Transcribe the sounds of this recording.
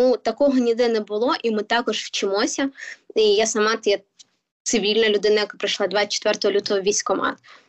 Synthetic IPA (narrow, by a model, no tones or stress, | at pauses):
ut̪ɐkɔɦɔnʲid̪ɪnɛbʊlˠɔʔimɪt̪ɑkɔʒwt͡ʃɪmɔsʲɐijasɐmɑt̪ɔjɛ | t̪sɪʋʲilʲnɐlʲʊd̪ɪnɐjɐkapɾɪjʃlˠɑd̪ʋat͡ʃɛ̥t̪ʋɛrt̪ɔɦɔlʲut̪ɔɦɔʋʲisʲkɔmɑ̰d̪